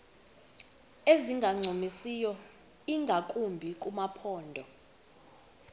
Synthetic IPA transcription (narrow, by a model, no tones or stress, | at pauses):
eziŋɡʱaŋ͡ǀʱomisijɔ | iŋɡʱakʼumbʱik̬ʼumapʰɔːndʱɔ